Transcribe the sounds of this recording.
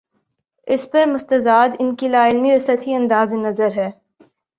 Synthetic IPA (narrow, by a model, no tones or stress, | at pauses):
ɪspɐɾmʊst̪ɐzaːd̪ɪnkilaːɪlmiɔɾsɐt̪ʰiɐ̃nd̪aːzenɐzəɾɦɛː